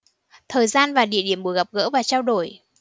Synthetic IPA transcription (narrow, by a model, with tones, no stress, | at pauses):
t̪ʰəː˨˩jzaː˧nvaː˨˩ɗḭ˧˨əɗi˧˩əmɓu˨˧˦jɣa˨˩p̚ɣə̰ː˧˥vaː˨˩t͡ɕaː˧wɗo˧˩j